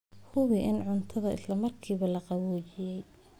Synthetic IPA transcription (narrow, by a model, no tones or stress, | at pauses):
hʊβɪʔɪnʕʊnt̪ʰɐðɐɪ̰slɐmɐrkʰiːβɐlɐqɑwɔːt͡ʃɪjɛj